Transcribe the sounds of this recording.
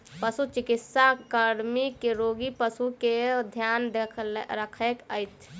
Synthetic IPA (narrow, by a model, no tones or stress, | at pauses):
pəsut͡ʃikit̪sakəɾmikeɾoɡipəsuked̪ʱjand̪ekʰlɾəkʰekəjt̪ʰ